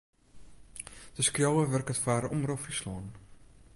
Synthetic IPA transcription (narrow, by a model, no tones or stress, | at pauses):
d̥əskrjowəʋɵrkətfaːɾɔmrofrislɔːn